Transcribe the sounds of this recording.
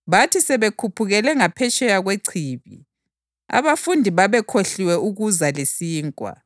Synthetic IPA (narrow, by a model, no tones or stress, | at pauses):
βatʰisɛβekʰupʰuɣɛlɛŋapʰɛt͡ʃʼɛjaɣweǀʰiːβḭ | a̰βafundʱiβaβɛkʰoɬiwɛuɣuzalesiːŋkʼwa̰